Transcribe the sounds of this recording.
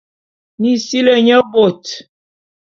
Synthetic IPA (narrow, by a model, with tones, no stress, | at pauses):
ni˨si˦lə˨ɲə˦bo˨t